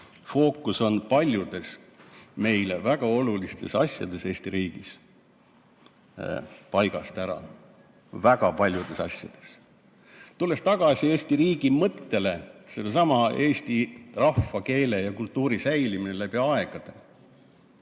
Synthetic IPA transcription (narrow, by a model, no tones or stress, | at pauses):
fo̞ːkːˑuso̞npɑlʲjud̪̥e̞sme̞jlevæɡ̥ɑo̞lulist̪e̞sɑ̰sʲjɑ̰d̪̥e̞se̞ːst̪iɾiːɡ̥is | pɑjɡ̥ɑst̪æɾɑ̰ | væɡ̥ɑpɑlʲjud̪̥e̞sɑ̰sʲjɑ̰d̪̥e̞̥s | t̪ulːe̞st̪ɑɡ̥ɑsʲie̞ːst̪iɾiːɡ̥imɤt̪ːe̞le̞selːesɑmɑe̞ːsʲt̪irɑfːɑke̞ːle̞jɑkult̪ːˑuːɾisæjlimine̞læb̥iɑɑe̞ɡ̥ɑd̪̥e̞̰